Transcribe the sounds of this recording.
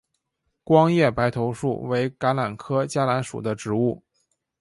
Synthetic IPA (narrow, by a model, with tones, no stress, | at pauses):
kwɑ˥ŋjɛ˥˩pa˧˥ɪt̪ʰo˧˥ʊʂṵ˥˩we˧˥ɪka˧˥la˨˩nkʰɤ˥t͡ɕja˥la˧˥nʂṵ˨˩d̪ə˦ʈ͡ʂɻ̩˧˥u˥˩